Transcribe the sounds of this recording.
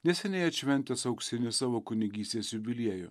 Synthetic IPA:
nʲɛsʲɛnʲɛɪɐt̪ʲʃʲʋʲɛnʲt̪ʲɛsɐʊksʲɪnʲɪsɑːʋoːkʊnʲɪɡʲiːsʲt̪ʲeːsʲjʊbʲɪlʲiɛjʊ̰

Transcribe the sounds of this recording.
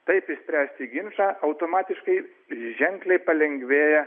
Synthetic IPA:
t̪ɐɪpɪʃsʲpʲɾʲæːsʲt̪ʲɪɡʲɪnʃɑːʔɐʊt̪oːmɑːt̪ʲɪʃkɐɪ | ʒʲɛŋklʲɛɪpɐlʲɛŋʲɡʲʋʲeːjɛ

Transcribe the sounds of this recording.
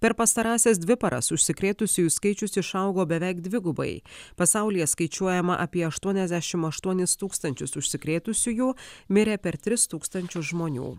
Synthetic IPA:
pʲɛɾpɐst̪ɐɾɑːsʲeːs̬d̪ʲʋʲɪpɐɾɐ̰sʊʃʲsʲɪkɾʲeːt̪ʊsʲʊjuːskɐɪt͡ʃʲʊsɪʃɐʊɡoːbʲɛʋʲɛɪkd̪ʲʋʲɪɡʊbɐ̰ɪpɐsɑˑʊlʲijɛskɐɪt͡ʃʲuɔjɛmɐ̰ʔɐpʲiɛɐʃt̪uɔnʲɛzʲd̪ʲæʃʲɪmɐʃt̪uɔnʲɪst̪uːkst̪ɐnʲt͡ʃʲʊsʊʃʲsʲɪkɾʲeːt̪ʊsʲʊjuːmʲɪɾʲeːpʲɛɾt̪ʲɾʲɪst̪uːkst̪ɐnʲt͡ʃʲʊsʒmoːnʲṵː

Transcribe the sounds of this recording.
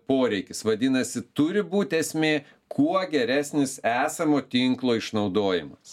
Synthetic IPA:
poːɾʲɛɪkʲɪsʋɐd̪ʲɪnɐsʲɪt̪ʊɾʲɪbuːt̪ʲɛsʲmʲeː | kʰuɔɡʲɛɾʲæːsʲnʲɪsæːsɐmoːt̪ʲɪŋklˠoːɪʃnɐʊd̪oːjɪmɐs

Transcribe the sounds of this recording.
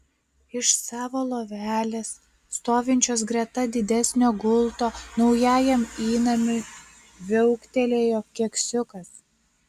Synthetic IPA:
ɪʃsɑːʋoːlˠoːʋʲæːlʲes | st̪oːʋʲɪnʲt͡ʃʲoːsɡɾʲɛt̪ɐd̪ʲɪd̪ʲɛsʲnʲoːɡʊlˠt̪oːnɒʊjæːjɛmiːnɐmʲɪ | ʋʲɛʊkt̪ʲɛlʲeːjoːkʲiɛksʲʊkɐs

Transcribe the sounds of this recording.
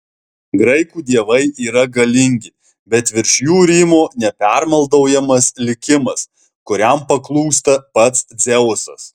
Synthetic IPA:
ɡɾɐɪkuːd̪ʲiɛʋɐɪʔiːɾɐɡɐlʲɪŋʲɡʲɪ | bʲɛt̪ʋʲɪɾʲʃʲjuːɾʲimoːnʲɛpʲæˑɾmɐlˠd̪ɐʊjɛmɐslʲɪkʲɪmɐs | kʊɾʲɛmpɐklˠuːst̪ɐpɐt̪szʲɛʊʊsɐ̰s

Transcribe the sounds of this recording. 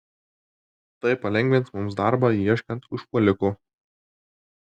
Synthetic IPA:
t̪ɐɪpɐlʲɛŋʲɡʲʋʲɪnt̪smʊmsd̪ɑˑɾbɑːjiɛʃʲkʲɐnt̪ʊʃpɔlʲɪkʊ

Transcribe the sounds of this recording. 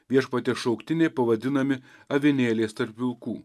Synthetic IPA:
ʋʲiɛʃpɐt̪ʲɛːʃɒʊkt̪ʲɪnʲɛɪpɐʋɐd̪ʲɪnɐmʲɪɐʋʲɪnʲeːlʲeːst̪ɐɾʲpʲɪlˠkuː

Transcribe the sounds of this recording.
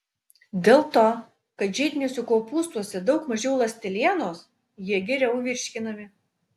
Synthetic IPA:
d̪ʲeːlˠt̪oː | kɐt̪ʒʲɛɪd̪ʲnʲeːsʲʊkoːpuːst̪uɔsʲɛd̪ɒʊkmɐʒʲɛʊlˠɐsʲt̪ʲɛlʲiɛnoːs | jiɛɡʲɛɾʲɛʊʋʲɪɾʲʃʲkʲɪnɐmʲɪ

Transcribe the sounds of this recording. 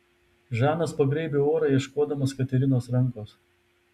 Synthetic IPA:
ʒæːnɐspɐɡɾʲɛɪbʲeoːɾɑːjiɛʃkoːd̪ɐmɐskɐt̪ʲɛɾʲɪnoːsɾɐŋˑkoːs

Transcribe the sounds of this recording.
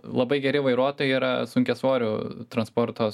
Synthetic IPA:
lˠɐbɐɪɡʲɛɾʲɪʋɐɪɾuɔt̪oːjɛiːɾɐ̰sʊŋʲkʲɛsʋoːɾʲuːt̪ɾɐnspɔɾt̪oː

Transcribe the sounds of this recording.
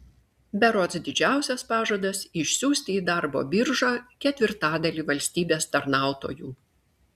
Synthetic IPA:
bʲɛɾoːt̪sd̪ʲɪd͡ʒʲæˑʊsʲɛspɑːʒoːd̪ɐsɪʃʲsʲuːsʲt̪ʲɪːd̪ɑˑɾbo̰ːbʲɪɾʒɑːkʲɛt̪ʲʋʲɪɾt̪ɑːd̪ɐlʲiːʋɐlʲsʲt̪ʲiːbʲeːst̪ɐɾnɑˑʊt̪o̰ːjuː

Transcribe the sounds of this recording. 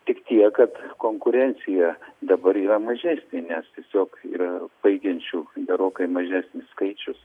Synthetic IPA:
t̪ʲɪkt̪ʲiɛkɐt̪koːŋkʊɾʲɛnʲsʲɪjɛd̪ɐbɐɾiːɾɐmɐʒʲæːsʲnʲenʲɛst̪ʲiɛsʲoːkḭːɾɐb̥ɐɪɡʲɛnʲt͡ʃʲuːɡ̪ʲɛɾoːkɐɪmɐʒʲæːsʲnʲɪsskɐɪt͡ʃʲʊs

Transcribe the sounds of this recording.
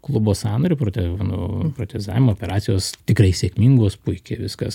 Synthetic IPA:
klˠʊboːsɑːnoːɾʲepɾoːt̪ʲɛnopɾoːt̪ʲezɑːʋʲɪmooːpʲɛɾɑːt̪sʲɪjoːst̪ʲɪkɾɐɪsʲeːkʲmʲiŋɡoːspʊɪkʲeːʋʲɪskɐs

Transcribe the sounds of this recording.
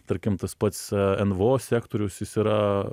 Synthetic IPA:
t̪ɐɾʲkʲɪmt̪ɐspɐt̪sɛnʋoːsʲæːkt̪oːɾʲʊsjɪsiːɾɐ

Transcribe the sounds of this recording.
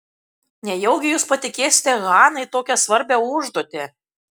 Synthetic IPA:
nʲɛjɛʊɡʲɪjuːspɐt̪ʲɪkʲeːsʲɪ̥t̪ʲɛɣɑːnɐɪt̪oːkʲɛsʋɐɾʲbʲɛʊʒd̪oːt̪ʲe

